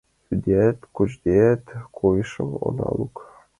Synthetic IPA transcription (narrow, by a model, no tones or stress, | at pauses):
yd̪ʲet̪ʲkut͡ɕd̪ʲet̪ʲkʰujʃɤwo̰lɑ̰lˠuk